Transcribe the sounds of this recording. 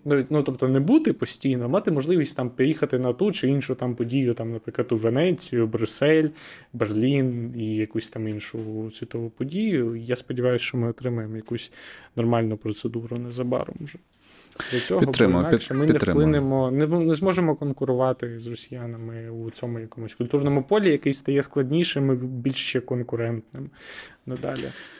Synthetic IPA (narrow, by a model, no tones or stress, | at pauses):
nɔitʲnut̪ɔp̚t̪ɔnɛbut̪ɪpɔsʲtʲijnɔmɑt̪ɪmɔʒlˠɪʋʲisʲtʲt̪ɑmpjixɐt̪ɪnɐt̪ut͡ʃɪinʃʊt̪ɑmpɔdʲijʊt̪ɑmnɐpɾɪkˠɐt̪uʋenɛt͡sʲːijʊbɾʲʊsɛlʲberlʲinijɐkusʲt̪ɑminʃʊsʲʋʲit̪ɔʋʊpɔdʲijʊijaspɔdʲiʋɑjʊsʲt͡ʃɔmɪɔt̪ɾɪmɐjemɔjɐkusʲnɔrmɑlʲnʊpɾɔt̪sed̪uɾʊnɛzɐbɑ̰ɾɔ̰mʒɛ | d̪lʲɐt͡sʲɔɦɔɪnɑkʃɛmɪnɛlˠɪnɪmɔnɛnɛzmɔʒemɔkɔnkʊɾʊʋɑt̪ɪzrɔsʲijɑnɐmɪut͡sʲɔmʊjɐkɔmʊsʲkʊlʲt̪urnɔmʊpɔlʲijɐkɪjst̪ɐjɛsklˠɐdʲnʲiʃɪmɪbʲilʲʃt͡ʃɛkɔnkʊɾɛnt̪nɪmnɐd̪ɑ̰lʲḭ